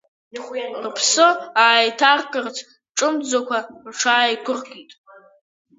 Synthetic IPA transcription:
rpʰsɨaːjtʰarkʼɨrt͡sʰ | ʈ͡ʂʼɨmd͡zakʷarʈ͡ʂʰaːjkʷʰʊrɡitʼ

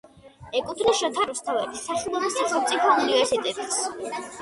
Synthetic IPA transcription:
ɛkʼut̪ʰnisʃɔt̪ʰaɾust̪ʰavɛbisːaχilˠɔbisːaχɛlˠt̪sʼipʰɔunivɛɾsit̪ʼɛbs

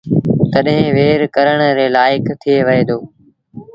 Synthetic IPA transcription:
t̪ɐɗɦɪ̃ʋeːɾkəɾəɽ̃ɾeːlaːɪkt̪ʰieʋɐeːd̪oː

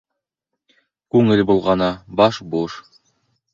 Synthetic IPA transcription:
kʉŋɘlbulˠʁɑnɑbɑʃbuʃ

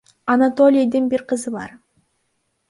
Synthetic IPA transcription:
ɐnat̪olʲid̪ɯnbiɾqʰɯzɯβɑ̰ɾ

